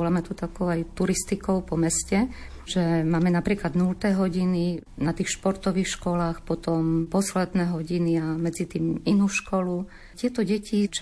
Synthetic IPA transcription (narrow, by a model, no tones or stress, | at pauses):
ɔlamɛt̪ut̪akɔʊajt̪uɾist̪ikɔʊpɔmɛscɛ | ʒ̥ɛmaːmɛnapɾiːklad̪nult̪ɛːɦɔɟininat̪iːxʃpɔɾt̪ɔʋiːxʃkɔlaːxpɔt̪ɔmpɔslɛd̪nɛːɦɔɟiniamɛd͡zit̪iːminuːʃkɔlu | cɪɛt̪ɔɟɛcit͡ʃ